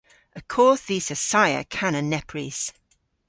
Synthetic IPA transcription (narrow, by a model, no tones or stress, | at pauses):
əkʰɔˑθiːsəsaɪə̰kʰanənɛpʰɹiz̥